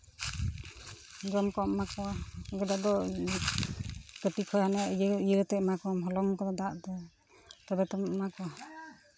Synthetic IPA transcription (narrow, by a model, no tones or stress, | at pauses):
ɡɔmkɔmakɔɡɔdad̪ɔ | kətikʰɔjhanɛjəjəɾt̪ɛʔmakɔmɦɔlɔŋkɔd̪ɔd̪aʔt̪ɛ | t̪ɔbɛt̪ɔmmakɔ